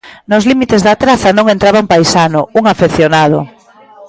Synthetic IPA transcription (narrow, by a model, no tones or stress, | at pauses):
nʊslimit̪ezðat̪ɾaθɐnõŋẽnt̪ɾaβampajsanʊuŋafeθjonað̞ʊ̰